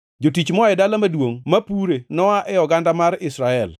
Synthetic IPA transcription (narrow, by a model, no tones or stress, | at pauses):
d͡ʒotit͡ʃmɔɛdalamadwoŋmapuɾenɔaʔɛjɔɡandamaɾɪsɾaɛl